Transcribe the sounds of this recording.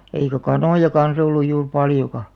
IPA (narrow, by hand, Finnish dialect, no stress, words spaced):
eikæ kɑnoˑjɑ kɑns olːuj juːr pɑljokɑ